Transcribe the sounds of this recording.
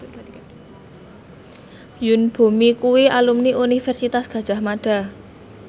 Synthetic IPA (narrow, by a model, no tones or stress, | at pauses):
junb̥o̤mikuwialumniʔunifɛrsit̪asɡ̥a̤d̥ʒ̥a̤hmaɖ̥a̤